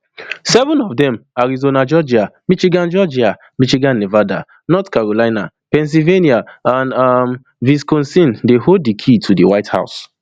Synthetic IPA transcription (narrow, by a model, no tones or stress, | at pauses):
sɛvɔ̃nɔvdɛ̃maɹizonad͡ʒɔd͡ʒiamit͡ʃiɡãnd͡ʒɔd͡ʒia | mit͡ʃiɡãnːevada̰ | nɔtkaɹolaɪna̰ | pɛ̃ns̬ilveniaãndam | viskɔ̃nsĩndehod̚dikʰitʰudiwaɪtha̰ʊs